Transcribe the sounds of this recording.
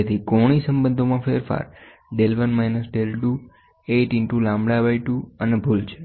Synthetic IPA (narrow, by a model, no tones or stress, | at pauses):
t̪ʰikoɽ̃isə̃mbənd̪ʱomãfeɾfa̰ɾ | ɖelʋənmajnəsɖelɖu | eʈɪɳʈũlãmbɽabajʈuənebʱult͡ʃʰe̥